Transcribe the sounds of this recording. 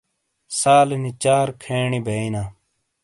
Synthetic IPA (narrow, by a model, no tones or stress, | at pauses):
saːlnit͡ɕaːɾkʰeːɳibʱeinaː